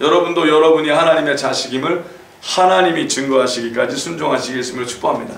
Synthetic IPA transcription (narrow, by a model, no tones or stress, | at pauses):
jʌɾʌbundojʌɾʌbuɲihanaɲime̞t͡ɕaɕʰiɡimɯɭ | hanaɲimit͡ɕɯŋɡʌɦaɕʰiɡik͈ad͡ʑisʰund͡ʑoŋɦaɕʰiɡes͈ɯmɯɭt͡ɕʰu̥k̚p͈oɦamɲida